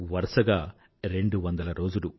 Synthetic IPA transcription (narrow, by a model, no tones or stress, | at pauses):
ʋɐɾɐʂɐɡaː | ɾe̞ɳɖuʋɐnd̪ɐlɐɾo̞ːd͡ʒulu